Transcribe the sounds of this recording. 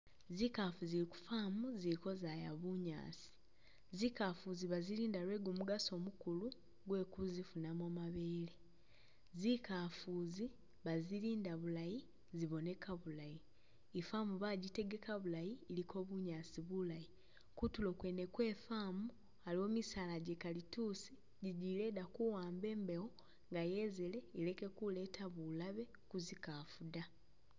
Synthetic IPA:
zikafuziɾiku̥famuziɾiko̞zajaβuɲa̰ːsi̥ | zikafuziβaziɾiːndaɾwe̞ːɡumuɡaso̞mukulu | ɡwe̞ːkuzifunamomaβe̞ːle | zikafuzi | βaziɾiːndaβulaji | ziβo̞ne̞kaβulajiː | famuβaɟite̞ɡe̞kaβulajiːlikʰo̞ːβuɲaːsiβulaji | kutulo̞ːkwe̞ːnekwe̞ːfaːmu | alio̞ːmisaːlaɟekalitusi̥ | ɟiɟile̞dakuwaːmbe̞ːmbe̞wo | ŋɡaje̞zele̞ːle̞ke̞kule̞ːtʰaβulaβe̞ | kuzikaːfuda

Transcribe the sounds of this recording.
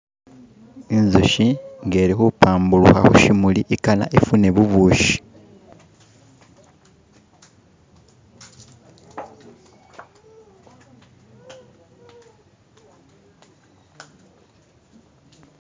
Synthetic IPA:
enzuʃiŋɡe̞ːɾixupʰaːmbulṵxa̰xuʃimuliʔikana̰ʔefune̞βuβuːʃi̥

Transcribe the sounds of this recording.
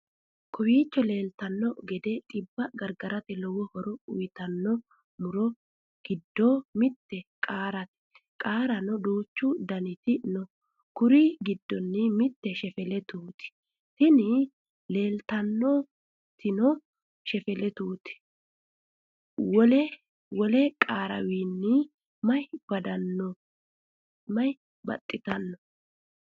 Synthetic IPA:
kʰɔwiːt͡ʃːɔle̞ːlt̪ɐnːɔɡɛd̪ɛt̪ʼɪbːɐɡɐɾɡɐɾɐt̪ɛlɔwɔhɔɾɔʊjt̪ɐnːɔ | mʊɾɔ | ɡ̥ɪd̪ːomɪt̪ːɛkʼaːɾɐt̪ɛ̥ | kʼaːɾɐnɔd̪oːt͡ʃːud̪ɐnɪt̪ɪnɔ | kʊɾiɡɪd̪ːɔnːɪmɪt̪ːɛʃɛfɛlɛt̪uːt̪ɪ̥ | t̪ɪnɪ | le̞ːlt̪ɐnːɔ | t̪ʰɪnɔ | ʃɛfɛlɛt̪uːt̪ɪ̥ | wɔlɛ | wɔlɛkʼaːɾɐ̰wiːnːɪ | mɐjbɐd̪ɐnːɔ | mɐj | bɐ̰t̪ʼːɪt̪ɐnːɔ̥

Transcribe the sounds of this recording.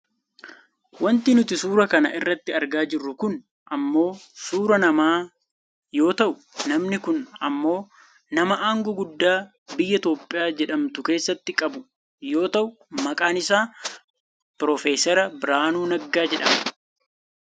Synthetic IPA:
wɐnt̪ɪnʊt̪ɪsuːɾɐkɐnɐ̰ʔɪrːɐt̪ːɪɐɾɡaːd͡ʒɪrːʊkʊn | ʔɐmːo̞ːsuːɾɐnɐmaː | jo̞ːt̪ɐʔʊ | nɐmnɪkʊnɐ̰mːo̞ː | nɐmɐʔaːŋɡɔɡʊd̪ːaː | bɪjːɐt̪o̞ːpʼːɪjaːd͡ʒɛᶑɐmt̪ʊke̞ːsːɐt̪ːɪkʼɐbʊ | jo̞ːt̪ɐʔʊ | mɐkʼaːnɪsaː | pɾɔfeːsɛɾɐbɪɾaːnuːnɐɡːaːd͡ʒɛᶑɐm

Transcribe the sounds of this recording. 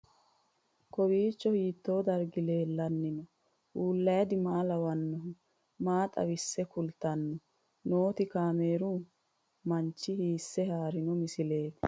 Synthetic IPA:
kɔwiːt͡ʃːɔhiːt̪ːo̞ːd̪ɐɾɡɪle̞ːlːɐnːɪnɔ | ʔuːlːɐjɐd̪ɪmaːlɐwɐnːɔ | maːt̪ʼɐ̰wɪsːɛkʊlt̪ːɐnːɔ | noːt̪ɪkaːme̞ːɾuː | mɐnt͡ʃːɪhiːsːɛhaːɾɪnɔmɪsɪle̞ːt̪

